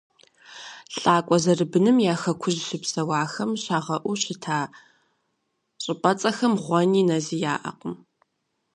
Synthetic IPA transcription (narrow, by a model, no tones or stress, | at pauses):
ɬʼaːkʷʼɔzɐrɨbɨnɨmjaːxɐkʷʰʊʑɕɪpsɐwɑːxɐmɕaːʁɐʔʷʊɕɪtʰaː | ɕʼɪpʼɐt͡sʼɐxɐmʁʷɔniːnɐziːjaːʔɐ̰qəm